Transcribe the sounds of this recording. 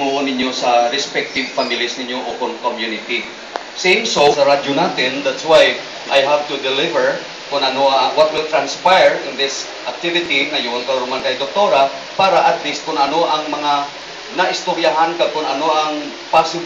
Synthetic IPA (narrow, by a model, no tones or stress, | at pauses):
ŋuʔʊnɪɲjosɐɾɛspɛk̚t̪ɪvfamɪlisnɪɲjoʔokʊnkomjunɪt̪i | sẽŋsosɐɾad͡ʒonaːt̪ɪnd̪at̪swaj | ʔajɦav̚t̪ʊd̪ɪlɪvɛɹ | kʊnɐnoɐŋwɐt̪̚wɪlt̪ɾanspajɹɪnd̪ɪs | ʔɐk̚t̪ɪvɪt̪inɐjʊʔʊnt̪ɐwɾʊmankɐjd̪ok̚t̪oɾa | paːɾɐʔɐt̪list̪̚kʊnʔɐnoʔɐŋmɐŋa | nɐʔɪst̪ʊɾjaɦankakʊnɐnoʔɐŋ | pasɪ